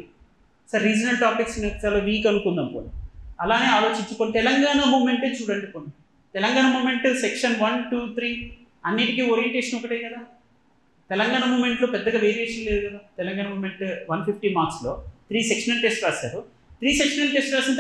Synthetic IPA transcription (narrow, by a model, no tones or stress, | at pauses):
sɐɾːid͡ʒɐnɐlʈaːpiksnikɐlɐːʋiːkɐnukund̪ɐmpo̰niɐlaːne̞ːaːlo̞ːt͡ʃiɲt͡ʃukoːnit̪ɛlɐŋɡaːɳɐmuːme̞ɳʈeːt͡ʃuːɽɐɳɖikoni | t̪ɛlɐŋɡaːɳɐmuːme̞ɳʈsekʂɐnʋɐnʈuːt̪ʰɾiː | ɐnːiʈikioːɾijeɳʈeːʂɐnɔkɐʈeːkɐd̪aː | t̪ɛlɐŋɡaːɳamuːme̞ɳʈlo̞ːpɛd̪ːɐɡaːʋe̞ːɾieːʂɐnle̞ːd̪ukɐd̪aːt̪ɛlɐŋɡaːɳɐmuːme̞ɳʈʋɐnpʰipʈiːmaːɾksloːt̪ʰɾiːsekʂɐnɐlʈesʈkaːsa̰ːɾu | t̪ɾiːsekʂɐnɐlʈesʈkaːsɐn